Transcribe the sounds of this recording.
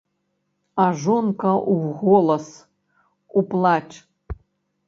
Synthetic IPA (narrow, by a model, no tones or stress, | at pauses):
aʐonkʰɐʔuwɣolˠɐs | uplˠaʈ͡ʂʼ